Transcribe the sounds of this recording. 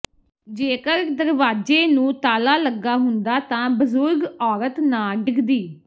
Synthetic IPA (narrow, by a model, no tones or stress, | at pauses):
d͡ʒeːkəɾd̪əɾʋaːd͡ʒeːnũːt̪aːlaːləɡaːɦʊnd̪aːt̪ãːbəzʊɾɡɔːɾət̪naːɖɪɡd̪iː